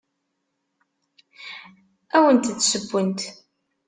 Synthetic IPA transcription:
æwənt̪t͡sːsəbːənt̪

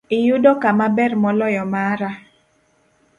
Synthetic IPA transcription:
ɪjʊdɔkamabɛrmɔlɔjɔmaɾa

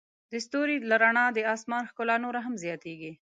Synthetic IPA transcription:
d̪əst̪oɾilaɾaɳɑd̪əɑːsmɑnxkʊlanoɾaɦamzjɑt̪eɡi

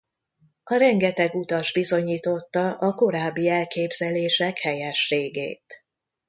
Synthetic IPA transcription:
ɒɾɛŋɡɛt̪ɛɡut̪ɒʒbizo̞ɲiːt̪o̞t̪ːɒʔɒko̞ɾaːbːiɛlkeːbzɛleːʃɛkhɛjɛʃːeːɡḛːt̪

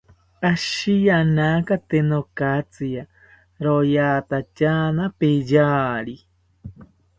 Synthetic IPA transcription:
aʃijanakat̪enokat͡sia | ɾojat̪at͡ʃanapejaːɾi

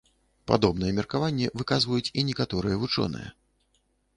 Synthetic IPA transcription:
pa̰d̪ɔbnɨjɛmʲɛrkavanʲːɛvɨkazvɐjut͡sʲinʲɛkat̪ɔɾɨjɛvut͡ʂɔ̰nɨ̰jɛ̰

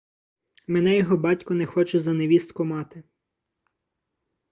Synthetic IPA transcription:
mɛnɛjɔɦɔbɑtʲkɔnɛxɔt͡ʃɛzɐneʋʲist̪kɔmɑt̪ɪ

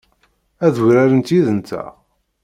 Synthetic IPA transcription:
æðuɾæɾənt̪jiðənt̪ːæ̰

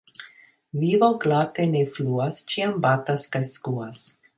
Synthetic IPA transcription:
vivoɡlat̪enefluast͡ʃiambataskajskuas

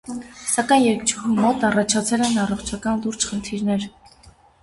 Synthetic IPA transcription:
sɑkɑjnjɛɾkt͡ʃʰuɦumɔt̪ɑrɑt͡ʃʰɑt͡sʰɛlɛnɑrɔχt͡ʃʰɑkɑnluɾd͡ʒχənt̪ʰiɾnɛɾ

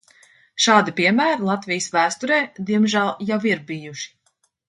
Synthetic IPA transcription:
ʃaːd̪ipiɛmæːɾlˠat̪vijsvæːst̪ɔɾɛːd̪iɛmʒælˠjawiɾbijuʃi̥

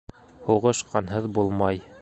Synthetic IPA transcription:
huʁɤ̆ʃqɑnɦɤðbulˠmɑj

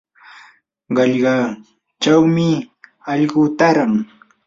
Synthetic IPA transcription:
ɢɑʎɢɑ | t͡ʃawmɪɑʎɢʊt̪aɾaŋ

